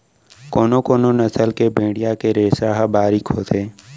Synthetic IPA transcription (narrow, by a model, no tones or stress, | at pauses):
koːnokoːnonɐsəlkebʱẽːɽijakeɾeːsaːɦabaːɾikɦoːt̪ʰeː